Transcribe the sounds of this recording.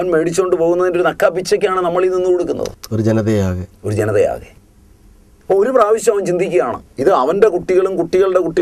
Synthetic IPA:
ɐnme̞ːɽit͡ɕːuo̞ɳɖɨpo̞ːɣunːɐðindoɾunɐkːaːpːit͡ɕːɐkʲːaːɳɨnɐmːɐɭininːukoɽukːunːɐ̰ðɨ̰oɾud͡ʑenɐðejaːɣeo̞ɾud͡ʑenɐðeja̰ːɣḛ | ɐpːooɾupraːʋiɕjɐmɐʋɐnt͡ɕind̪ʱikʲːuɣɐjaːɳɨ̰iðɨɐʋɐnde̞kuʈːiɣɐɭumkuʈːiɣɐɭɽe̞kuʈːi

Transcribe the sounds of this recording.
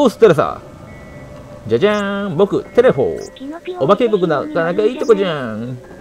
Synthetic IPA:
osɨ̥t̪ːeɾes̬a̰ | d͡ʑad͡ʑãŋbo̞kɯ̟t̪e̞ɾeɸo̰obake̞ːk̬okɯnakanakaiːt̪okod͡ʑãŋ

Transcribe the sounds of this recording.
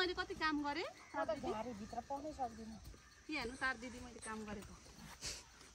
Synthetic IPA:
ʌjlekʌt̪ikamɡʌɾet̪at̪ʌd͡zʱiaɾibʱit̪rʌpʌnʌsʌkd̪inʌ | pianut̪ard̪id̪imʌjlekamɡʌɾeko

